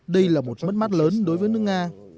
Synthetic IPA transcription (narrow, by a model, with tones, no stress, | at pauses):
ɗə˧jlaː˨˩mo˨˩t̚mə˦˥t̚ma˦˥t̚ləː˨˦nɗo˨˦jvəː˨˦jnɨ˦˥ək̚ŋaː˧